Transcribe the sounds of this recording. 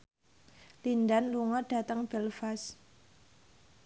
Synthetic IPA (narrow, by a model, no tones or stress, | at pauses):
lindanluŋɔɖ̥a̤t̪əŋb̥ɛlfas